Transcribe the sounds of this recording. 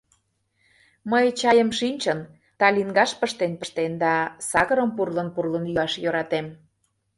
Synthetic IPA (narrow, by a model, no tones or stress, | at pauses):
məjt͡ɕɑjəmʃinʲt͡ɕən | t̪ɑliŋɡɑʃpəʃt̪enpə̆ʃt̪end̪ɑsɑɣəɾəmpurlənpurlənjyɑʃjøɾɑt̪em